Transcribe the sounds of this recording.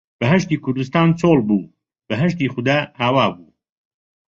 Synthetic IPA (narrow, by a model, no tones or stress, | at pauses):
b̥ɐɦɐʃt̪iːkʰʊɾd̪ust̪aːnt͡sʰoːlbuː | b̥ɐɦɐʃt̪iːxʊd̪aːhaːwaːbuː